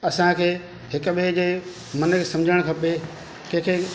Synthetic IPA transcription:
ɐsãkʰeː | ɦɪkʊ̆ɓed͡ʑeː | mɐnkʰeːsɐ̃md͡ʑʱəɽ̃kʰɐpe | kɐ̃ɦkʰeː

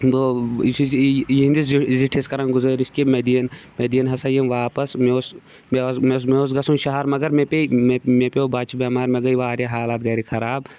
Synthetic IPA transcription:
bo | jind̪isziʈʰiskɐɾɐ̃nɡuzɐɾiskimed̪iɐnmed̪ijɐnɦɐsɐjɐmʋaːpɐsmeos | mesmesmeos̬ɡɐsunʃɐɦɐɾmɐɡɐɾmepememepeobaːt͡ʃibʲɐːmaːɾmeɡɐjʋaːɾʲjaɦaːlaːt̪̚ɡɐɾikʰɐɾaːb

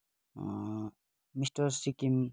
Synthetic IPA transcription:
mistɔɾsikim

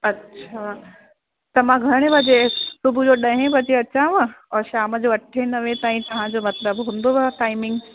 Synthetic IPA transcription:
ɐtːɕʰaː | t̪ɐʋãɡʱɐɽ̃ẽʋɐd͡ʑesʊbʱud͡ʑoɗɐɦẽbɐd͡ʑeɐt͡ɕãʋɐ̃ɔːɾʃaːməd͡ʑoɐʈʰenɐʋẽt̪aːĩt̪ɐʋ̤ãd͡ʑomɐt̪ləbɦũːnd̪oʋaʈaːɪmɪ̃ŋɡ

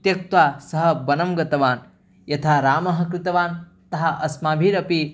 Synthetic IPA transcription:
t̪jɐk̚t̪waːsɐɦɐ̆bɐnɐmɡɐt̪ɐʋaːn | jɐt̪ʰaːɾaːmɐɦɐ̆kɾɪt̪ɐʋaːn | t̪ɐɦɐ̆ʔɐsmaːbʱiːɾɐpi

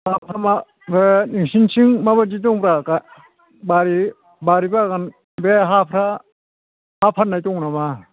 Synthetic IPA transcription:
bapʰɾama | eniŋsinsiŋmabad͡ʒit̬ɔŋpɾaka | baɾi | baɾibaɡan | beɦapʰɾa | hapʰanajtɔŋnama

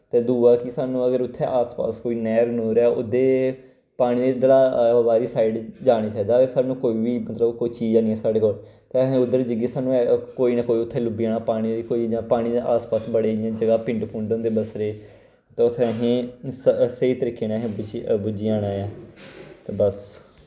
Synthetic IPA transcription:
t̪eːd̪uːaːkisaːnũːəɡəɾʊt̪ʰːḛːʔaːspa̰ːskoːiːnɛːɾnoːɾɛːʊ̰d̪eː | paːɽ̃iːed̪əlaːʋaːɾiːsaːiɖd͡ʒaːɽ̃iːt͡ʃaːiːd̪aːəɡəɾsaːnũːkoːiːʋiːmət̪ləbkoːiːt͡ʃiːd͡ʒaːniːɛːsaːɽeːkoːl | t̪eːəɦẽːʊd̪əɾd͡ʒəɡeːsaːnũːkoːiːnaːkoːiːʊt̪ʰːeːlʊbiːaːnaːpaːɽ̃iːɾikoːiːd͡ʒãːpaːɽ̃iːd̪eʔaːspaːsbəɽeːãːd͡ʒəɡaːpɪ̃ɳʈpʰũːɳɖõnd̪eːbəsɾeː | t̪eʊt̪ʰːẽəɦẽː | seiːt̪əɾiːkːeːnaɦẽːbd͡ʒbʊd͡ʒiːãːɽãːjãːt̪eːbəs

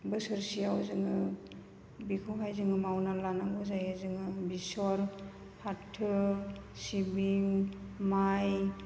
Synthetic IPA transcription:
bɯsɯɾsijawzɯŋɯ | bikʰɔɦajzɯŋɯmawnalanaŋɡɯzajɯzɯŋɯbisɔɾ | pʰatʰːɯsibiŋmaj

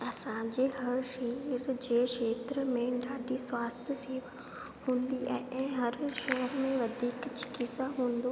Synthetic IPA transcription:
ɐsãd͡ʑeːɦɐɾʃiːnɪɾd͡ʑeːʃeːt̪ɾəmẽɖaːɖiswaːst̪ʰəseːʋə | hũːnd̪iɛ̃ʔɛ̃ːɦɐɾʃɐɦəɾmẽʋɐd̪ʱiːkt͡ɕɪ̥kisaɦũːn̆d̪o

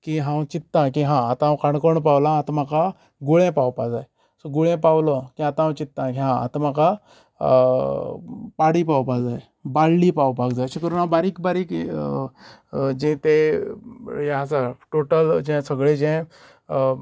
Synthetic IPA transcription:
kiɦãwt͡ɕit̪ːãkĩɦãːt̪ããwkaɳkəɳp̬awlãːt̪maka | ɡuɭẽpawpad͡zaj | sɔɡuɭɛ̃pawlɔkĩat̪ããwt͡ɕit̪ːãkiɦã̰ːt̪ãmaka | paɽipawpad͡zaj | baɽlipawpakd͡zajɕikəɾunãbaɾiːkbaɾiːk | d͡ʑɛ̃t̪e | jɛ̃asaʈoʈəld͡ʑɛ̃səɡɭed͡ʑɛ̃

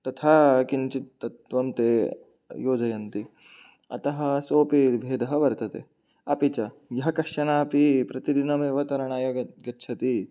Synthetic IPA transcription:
t̪ɐt̪ʰaːkint͡ʃit̪ːɐt̪ʋɐmt̪eː | joːd͡ʒɐjɐnt̪i | ɐ̰t̪ɐɦɐ̆soːpibʱeːd̪ɐɦɐʋɐɾt̪ɐt̪e | ɐpit͡ʃɐjɐɦɐkɐʂɐnaːɐpipɾɐt̪id̪inɐmeːʋɐt̪ɐɾɐɳaːjoːɡɐɡɐtːt͡ʃʰɐt̪i

